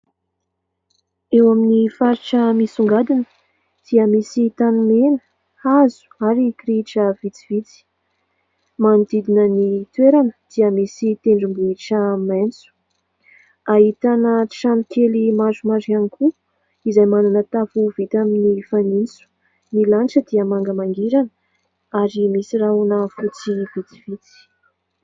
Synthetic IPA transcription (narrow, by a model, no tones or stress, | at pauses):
ewaminifaɾiʈ͡ʂəmisuŋɡad̪inə̥ | d̪̥iəmisit̪anumenə̥ | azu̥aɾikɾiʈ͡ʂəvit͡sivit͡si̥ | mand̪id̪inənit̪weɾanəd̪̥iəmisit̪eɳɖ͡ʐimbuiʈ͡ʂəment͡su̥ | aɦit̪anəʈ͡ʂanikelimazumaɖ͡ʐianikʰu | izajmananət̪afuvit̪aminifanint͡su̥ | nilanʈ͡ʂəd̪iəmaŋɡəmaŋɡiɾanə | aɾimisiraɦunəfut͡sivit͡s̪i̥v̥it͡si̥